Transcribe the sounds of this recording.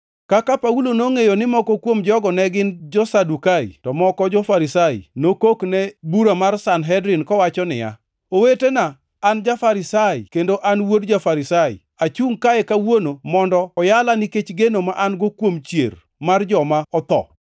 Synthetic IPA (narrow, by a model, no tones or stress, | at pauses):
kakapaulonoŋejonɪmɔkɔkwomd͡ʒɔɡɔnɛɡɪnd͡ʒɔsadukaḭtɔmɔkɔd͡ʒɔfaɾisaḭnokoknɛbuɾamarsanɦɛdɾɪnkɔwat͡ʃɔnɪ̰ja̰ | owetenaː | nd͡ʒafaɾɪsaḭkendoʔanwodd͡ʒafaɾisaḭ | at͡ʃuŋkaekawonomɔndɔːjalanɪket͡ʃɡenomaʔanɡokwomt͡ʃjḛr | mard͡ʒɔmaɔt̪ɔ̰